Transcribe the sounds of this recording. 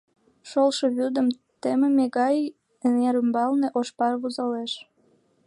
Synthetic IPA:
ʃolʃoβyd̪əm | t̪emĕmeɣɑj | əneɾymbɑlneʔoʃpɑrβuzɑleʃ

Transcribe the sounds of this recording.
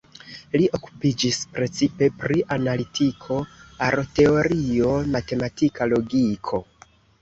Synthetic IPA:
liʔo̞ku̥pid͡ʒispɾe̞t͡sipe̞pɾiʔanalitʰikʰo̞aɾte̞o̞ɾio̞mate̞matikalo̞ɡikʰo̞

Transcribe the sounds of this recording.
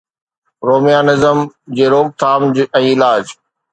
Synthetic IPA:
ɾoːmijaːnɪzəmd͡ʑeːɾoːk̚t̪ʰaːmd͡ʑɛ̃ːɪlaːd͡ʑ

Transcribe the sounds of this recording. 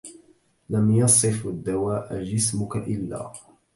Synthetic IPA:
lamjɑsˤɨfad̪ːawaːʔad͡ʒɪsmʊkaʔɪlːa̰ː

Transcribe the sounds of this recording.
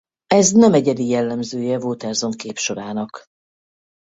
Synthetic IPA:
ɛznɛmɛɟɛd̪ijɛlːɛmzøːjɛvoːt̪ɛrzo̞ŋkeːpʃo̞ɾaːnɒk

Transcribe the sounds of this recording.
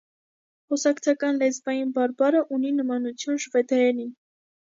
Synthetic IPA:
χɔsɑkt͡sʰɑkɑnlɛzvɑjinbɑɾbɑɾəʔuninəmɑnut͡sʰjunʒəvɛd̪ɛɛnin

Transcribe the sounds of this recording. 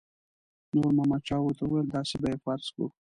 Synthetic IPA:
noɾmamad̪̚t͡ʃɑwot̪auweld̪ɑsebajefaɾskṵ

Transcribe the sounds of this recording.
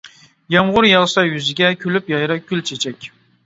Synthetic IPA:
jɑmʁʊɾjɑʁʃɑjyzɪɡʲɛkʲʰølypjɑjɾɑkʲʰːylt͡ʃʰet͡ʃʰɛkʲ

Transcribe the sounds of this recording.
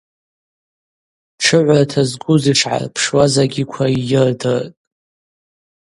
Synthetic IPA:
ʈ͡ʂʰɨʕʷatʰazɡʷuziʂʰʕa̰pʰʂwazaɡʲikʷʰaijɪrdɨrtʼ

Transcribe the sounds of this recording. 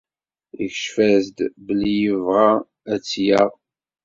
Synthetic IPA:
ḭçʃfæzd̪bəljəvʁa | æt͡sːjaʁ

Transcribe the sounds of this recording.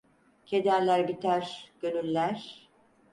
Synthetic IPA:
cʰe̞d̪æɾlʲæɾbit̪ʰæʃɟ̥ønylʲːæɾ̥

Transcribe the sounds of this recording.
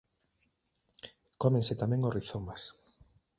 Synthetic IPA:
komẽnset̪amɛ̃ŋoriθomas

